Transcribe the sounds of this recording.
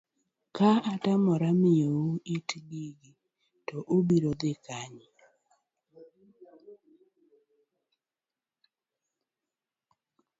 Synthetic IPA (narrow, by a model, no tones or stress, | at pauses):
kaatamɔɾamɪjouʔitɡiɡi | tɔʔobiɾod̪ɪkaɲ